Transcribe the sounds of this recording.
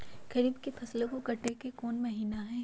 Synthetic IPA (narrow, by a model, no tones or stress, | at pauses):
ɡ̥ɐɾiːbkepʰɐslẽkokɐʈːekekoːnmɐɦiːnaɦɛ̃ː